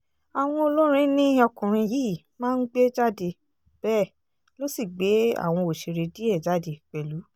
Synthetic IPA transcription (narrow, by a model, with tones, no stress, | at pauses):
a˨w̃ɔ̃˧o˧lo˦ɾ̃ĩ˦nĩ˦ɔ˧kũ˨ɾ̃ĩ˧jiː˦˨ | mãː˦˧n̩˦ɡ͡be˦d͡ʒa˦de˧˨ | b̥ɛː˦˨ | lo˦si˦˨ɡ͡be˨˦a̰˦˨w̃ɔ̃˧o˨ʃe˧ɾe˧di˦ɛ˦˨d͡ʒa˦de˧˨k͡pɛ˨lu˨˦